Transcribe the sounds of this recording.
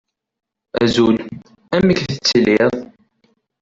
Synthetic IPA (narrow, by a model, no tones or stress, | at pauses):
æ̰zul | æməkθət͡sːəlɪðˤ